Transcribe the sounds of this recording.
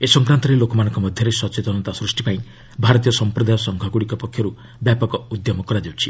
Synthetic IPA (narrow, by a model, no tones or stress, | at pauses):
esɔŋkɾant̪ɔɾelokɔmanɔ̃ŋkɔmɔd̪ʱjɔɾesɔt͡ʃet̪ɔnɔt̪asɾusʈipaĩ | bʱaɾɔt̪̬ijɔsɔmpɾɔd̪ajɔsɔŋɡʱɔɡuɽikɔpɔkʰːjɔɾu | bjapɔkɔud̪jɔmɔkɔɾad͡ʒiwt͡ʃʰi